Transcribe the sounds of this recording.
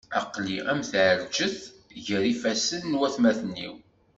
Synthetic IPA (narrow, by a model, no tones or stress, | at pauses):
ɑqliæmθʕəɾd͡ʒəθʝəɾifæsənːwæθmæθənːḭw